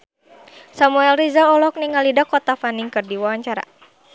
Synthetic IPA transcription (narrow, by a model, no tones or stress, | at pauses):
samuɛlrizalɔlɔk̚niŋalidakɔt̪afaniŋkɨrdiwawaɲt͡ʃaɾa̰